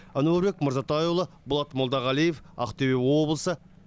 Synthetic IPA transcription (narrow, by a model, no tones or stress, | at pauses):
anuebe̞kməɾzɑt̪ɑjulˠə | bʊlˠɑt̪molˠd̪ɑʁɑlijefɑ̰qt̪ebewo̞blˠəsə